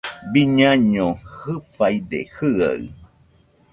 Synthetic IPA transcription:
biɲãɲõhɨpajd̪ḛhɨa̰ɨ

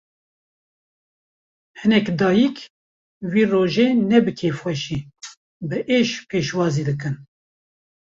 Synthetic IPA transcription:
hɨnɛkd̪ɑːjikʰ | wiːroːʒeːnɛbɨkʰeːfxɛʃiː | bɨʔeːʃpʰeːʃwɑːziːd̪ɨkɨn

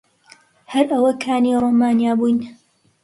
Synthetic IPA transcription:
hɐɾʔɐwɐkʰaːniːɾˤoːmaːnjaːbujn

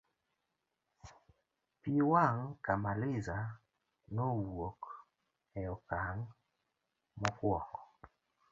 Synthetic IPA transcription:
piwaŋkamalɪza | nɔwok | ɛɔkaŋ | mɔkwɔkɔ

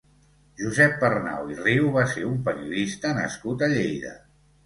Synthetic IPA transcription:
ʒuzɛpːərna̰wiriwβaseumpəɾiuðist̪ənə̰skut̪əʎejðə̰

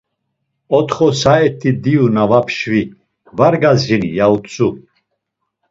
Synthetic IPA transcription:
ɔt̪χɔsaɛt̪ʰːid̪iunavapʰʃvi | vaɾɡazinḭjaut̪t͡sʼu

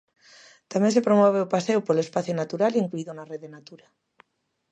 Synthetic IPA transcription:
t̪amẽns̬epɾomɔβ̞eopasewpolespaθjonat̪uɾaliiŋkluiðonareðenat̪uɾa

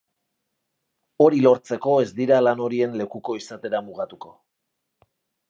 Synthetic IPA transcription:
o̞ɾilo̞ɾt͡se̞ko̞e̞zd̪iɾalano̞ɾie̞nle̞kuko̞isat̪e̞ɾamuɣat̪uko̞

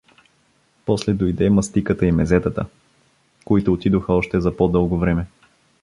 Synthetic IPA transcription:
pɔslɛd̪ojd̪ɛmɐst̪ikət̪əimɛzɛt̪ət̪ə | koit̪ʊːt̪id̪oxəɔʃt̪ɛzɐpod̪ɤlˠɡovɾɛmɛ

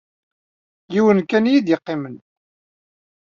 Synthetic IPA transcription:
jiwənkænjid̪jəqːɪmən

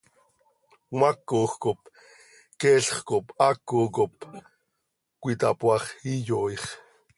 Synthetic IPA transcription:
makːoxkop | kɛːɬχkopakːokop | kʷit̪apwɑχijojχ

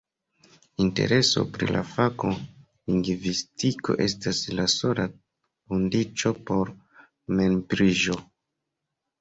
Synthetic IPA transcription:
inte̞̰ɾe̞so̞̰pɾḭla̰fako̞ | liŋɡvistiko̞̰ʔe̞staslaso̞la | kundit͡ʃo̞po̞ɾ | me̞npɾiʒo̞

